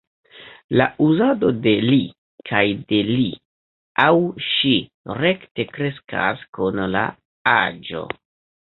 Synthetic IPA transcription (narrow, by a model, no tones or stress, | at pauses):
laʔuzado̞de̞li | kʰajde̞li | awʃi | ɾe̞kte̞kɾe̞skʰa̰skunla̰ | ad͡ʒo̞̰